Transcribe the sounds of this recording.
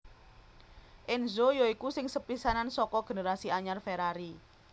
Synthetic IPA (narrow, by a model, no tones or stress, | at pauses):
ʔɪnzojoikusɪŋsəpisanansɔkɔɡ̥e̤neɾasiaɲarfeɾaɾi